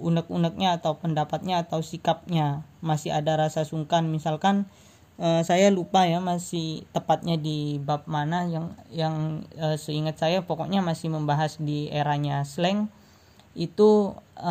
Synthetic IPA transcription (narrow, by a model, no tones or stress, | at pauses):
unək̚unək̚ɲaːt̪awpəndapat̪̚ɲaːt̪awsikap̚ɲamasɪɦadaɾasasuŋkanmisalkan | əsajalupajamasɪht̪əpat̪̚ɲadibap̚manajaŋjaŋəsəiŋət̪̚sajapɔkɔʔɲamasɪhməmbaɦasdieɾaɲaslɛŋ | it̪u